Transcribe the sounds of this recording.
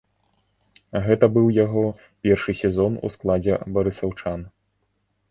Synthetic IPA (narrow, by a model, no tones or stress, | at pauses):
ɣɛt̪ɐbɨwjaɣɔ | pʲɛrʂɨsʲɛzɔnṵsklˠad͡zʲɛbɐɾɨsawt͡ʂan